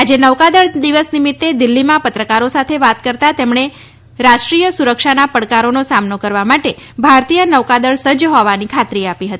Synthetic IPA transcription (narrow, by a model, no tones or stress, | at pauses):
ad͡ʒenəʋkad̪əɭd̪iʋəsnimɪt̪ːed̪ilːimãpət̪ɾəkaɾosat̪ʰeʋat̪kəɾt̪at̪emɳe | ɾaʃʈɾijəsuɾəkʃanapəɽkaɾonosamnokəɾʋamaʈe | bʱaɾt̪ijənəʋkad̪əɭsəd͡ʒɦɔʋanikʰat̪ɾiapiɦət̪i